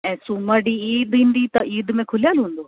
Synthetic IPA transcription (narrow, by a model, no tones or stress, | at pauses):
ɛ̃ːsuməɖiiːd̪ĩːnd̪it̪ɐʔiːd̪mẽkʰʊljaːlɦũːnd̪oː